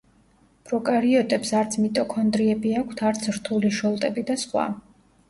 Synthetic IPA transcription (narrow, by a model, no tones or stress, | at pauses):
pʼɾɔkʼaɾiɔt̪ʼɛpsaɾt̪sʰmit̪ʼɔkʰɔnd̪ɾiɛbiakʷʰt̪ʰaɾt̪sʰɾt̪ʰuliʃɔlˠt̪ʼɛbid̪asχwa̰